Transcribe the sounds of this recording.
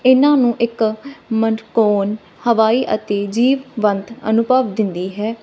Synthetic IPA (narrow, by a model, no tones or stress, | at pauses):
ɪnãːnũːʔɪkmənkoːn | həʋaːiːʔə̰t̪eːd͡ʒiːʋʋənt̪ə̰nʊpaʋd̪ɪnd̪iːɦɛː